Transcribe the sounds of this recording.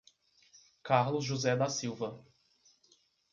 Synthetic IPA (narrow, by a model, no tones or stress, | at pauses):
kaɾlʊzʒuzɛd̪asiwvɐ